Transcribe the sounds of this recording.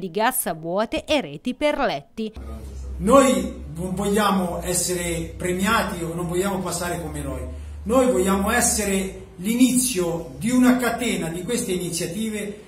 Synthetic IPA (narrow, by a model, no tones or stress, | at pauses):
d̪iɡasːavwɔːt̪eʔeɾeːt̪iperlɛt̪ːi | nojnoɱvɔʎːaːmoɛsːeɾepɾemjaːt̪ionːoɱvɔʎːaːmopasːaːɾekomenoj | nojvɔʎːaːmoɛsːeɾe | linit̪sːjod̪iunakat̪ɛːnad̪ikwest̪einit̪sːjat̪iːve